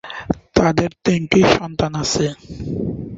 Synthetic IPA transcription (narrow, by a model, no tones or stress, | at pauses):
t̪ad̪eɾt̪eŋkiʃɔnt̪anasʰe